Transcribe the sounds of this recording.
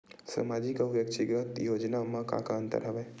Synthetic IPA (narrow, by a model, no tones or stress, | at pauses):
sa̰mad͡ʒikaʋjək̚t͡ʃʰiɡɾət̪joːd͡ʒnamə̃ka̰kant̪ə̰ɾɦəʋɛ